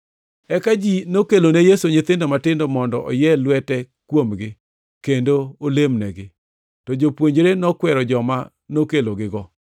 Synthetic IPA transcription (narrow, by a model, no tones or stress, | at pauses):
ɛkad͡ʒinokelonejesoɲɪt̪ɪndɔmatɪndomɔndɔ̰ʔɔ̰jɛlwɛtɛkwomɡɪ | kendoolemnɛɡɪ | tɔd͡ʒopwoɲd͡ʒɾenɔkwɛɾɔd͡ʒɔma | nokeloɡɪɡɔ